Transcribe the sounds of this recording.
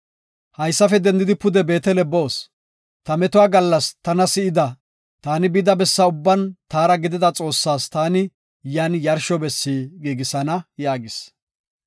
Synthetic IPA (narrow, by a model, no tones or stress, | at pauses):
hɐjsːɐfɛd̪ɛnd̪ɪd̪ɪpʊd̪ɛbe̞ːt̪ɛlɛbo̞ːs | t̪ɐmɛt̪ʊwaːɡɐlːɐst̪ɐnɐsɪɪd̪ɐ | t̪aːnɪbɪd̪ɐbɛsːɐʊbːɐnt̪aːɾɐɡɪd̪ɪd̪ɐt͡sʼo̞ːsːaːst̪aːnɪ | janjɐɾʃɔbɛsːiːɡiːɡɪsɐnɐjaːɡɪs